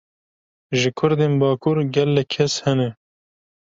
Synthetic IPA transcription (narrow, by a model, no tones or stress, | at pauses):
ʒɨkʰʊɾd̪eːnbɑːkʰuɾɡɛlːɛkʰːɛshɛnɛ